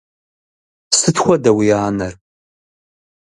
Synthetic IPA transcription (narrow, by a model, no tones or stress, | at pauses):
sɨtxʷɔdɐwijaːnɐr